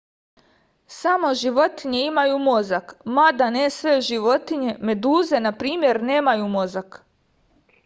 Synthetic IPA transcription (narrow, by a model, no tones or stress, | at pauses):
samo̞ʒiʋo̞t̪iɲeimajumo̞zakmad̪anesʋeʒiʋo̞t̪iɲeme̞d̪uːze̞napɾiːmje̞ɾneːmajumo̞zak